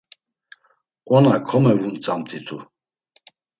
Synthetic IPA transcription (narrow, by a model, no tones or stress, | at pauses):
kʼɔnakʰɔmɛvunt͡sʼamt̪ʰit̪ʰu